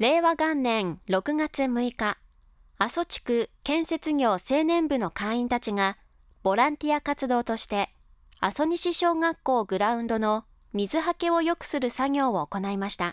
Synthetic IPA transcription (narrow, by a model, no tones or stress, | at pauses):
ɾe̞ːβaɡãnːẽ̞ŋɾo̞kɯ̟ɡat͡sɨmɯ̟ika | aso̞t͡ɕi̥kɯ̟kẽ̞ɰ̃se̞t͡sɨɡʲo̞ːse̞ːnẽ̞mbɯ̟no̞kãɰ̃ĩnt̪at͡ɕiŋa | b̥o̞ɾãnt̪ʲiakat͡sɨd̪o̞ːt̪o̞ɕi̥t̪e̞ | aso̞ɲ̟iɕiɕo̞ːɡakːo̞ːɡɯ̟ɾaɯ̟̃nd̪o̞no̞ | mʲizɨɦake̞o̞jo̞kɯ̟̥sɨɾɯ̟saɡʲo̞ːoːko̞naimaɕi̥t̪a